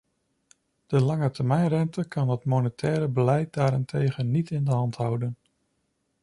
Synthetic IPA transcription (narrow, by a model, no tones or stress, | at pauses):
d̥əlɑŋətəɹmɛjnrɛntəkʰɑnətmonətʰɛːɾəbəlɛjt̚daːɾɪntʰejɣənːitʰɪndəɦɑntɦʌwdən